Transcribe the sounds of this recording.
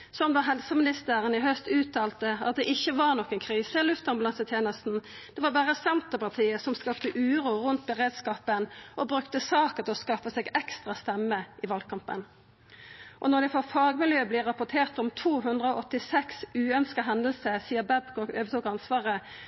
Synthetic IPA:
sɔmd̪ɑɦɛlsəmɪnɪst̪əʁənɪɦœst̪ʉːt̪ʰːɑːlt̪əɑt̪̚d̪ɛʔɪçːəʋɑʁnɔkːənkʰʁiːsəɪlʉft̪ɑmbɑlɑnsət̪ʰjeːnəst̪n̩d̪̥ɛʋɑbæːʁəsɛnt̪əpɑʁt̪ʰiːəsɔmskɑpt̪əʔʉːʁuːʁʉnt̪̚bəʁeːd̪skɑːpənʔɔbʁʉkt̪əsɑːkət̪ʰɪlɔskɑfəsɛɡɛkst̪ʁɑst̪ɛmːəʔɪʋɑlkʰɑmpə̰n | ʔɔnɔd̪ɛfɔfɑːɡmɪljøːblɪʁɑpʊt̪ʰeːʁt̪ɔmt̪ʰuːɦʉnd̪ʁəɔʔɔt̪ːɪsɛksʉːœnskəɦɛnd̪əlsəsiːəbæbkɔɡøːʋət̪uːkɑnsʋɑːʁə

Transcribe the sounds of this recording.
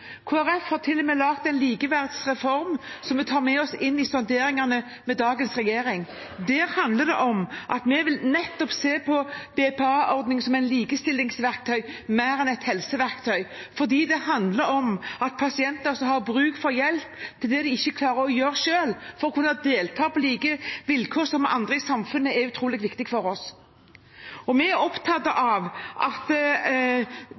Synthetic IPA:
kʰoːæɾɛfhɑʁt̪ʰɪlːɔmeːlɑkt̪ɛɪnliːkəʋæʁd̪sʁɛfɔɾmsɔmːɛt̪ʰɑːɾmɛɔsɪnːɪsɔnd̪eːɾɪŋɑnə | mɛd̪ɑːɡənsʁɛjeːɾɪŋ | d̪æːɾhɑnd̪ləd̪ɛ̰ʔɔmʔɑt̪mɛʋɪlnɛt̪ːɔpseːpʰɔb̥ɛpɛɑːʔɔɾd̪nɪŋsɔmɛɪnliːkəst̪ɪlːɪŋsʋæɾk̚t̪ʰœʏmæɪɾɛnɛt̪hɛlsəʋæʁkt̪ʰœʏfɔʁd̪iːd̪ɛhɑnd̪ləɾɔmɑt̪̚pʰɑsɪɛnt̪sɔhɑʁbɾʉːɡfɔɾjɛlpt̪ʰːɪld̪ɛd̪ɛɪçːəkʰlɑːɾəɾɔjøːɾʂøːlfɔɾɔkʰʉnːɑd̪eːlt̪ʰɑːpɔliːkəʋɪlkʰoːɾsɔmɑ̰nd̪ʁəɪsɑmfʉnːəæʉt̪ʰɾuːlɪɡʋɪkt̪ɪɡfɔɾɔs | ɔmɛæɾɔpt̪ʰɑt̪ːəʔɑʋʔɑt̪

